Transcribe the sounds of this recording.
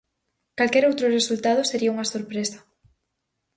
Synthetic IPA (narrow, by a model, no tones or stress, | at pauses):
kalkɛɾowt̪ɾʊresult̪að̞ʊseɾiauŋɐsoɾpɾesɐ̥